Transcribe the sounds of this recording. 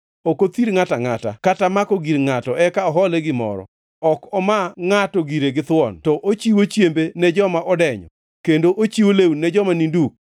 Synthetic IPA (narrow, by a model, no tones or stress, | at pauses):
okot̪iɾŋataŋata̰katamakɔɡiɾŋatɔʔɛkaɔɦɔleɡɪmɔ̰ɾɔ̰ | ɔkɔmaŋatɔɡiɾeɡɪt̪wɔntɔʔot͡ʃiwot͡ʃjembenɛd͡ʒɔmaʔɔdɛɲɔ̰ | kendoʔot͡ʃiwolewnɛd͡ʒɔmaninduk̚